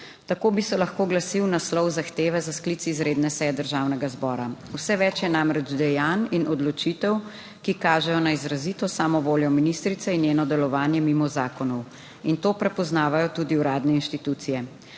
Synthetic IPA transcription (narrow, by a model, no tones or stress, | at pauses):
t̪akoːbisɛlaxkoːɡlasiwnaslɔwzaxt̪eːʋɛzasklit̪sizɾeːd̪nɛsɛjɛd̪əɾʒawnɛɡazbɔːɾawsɛʋɛt͡ʃjɛnamɾɛd͡ʒd̪ɛjaninɔd̪lɔt͡ʃit̪ɛw | kikaːʒɛjɔnaizɾazit̪ɔsaːmɔʋoːljɔminist̪ɾit̪sɛinjeːnɔd̪ɛlɔʋaːnjɛmimɔzaːkɔnɔw | int̪oːpɾɛpɔznaːʋajɔt̪ud̪iuɾaːd̪nɛinʃt̪it̪ut̪sijɛ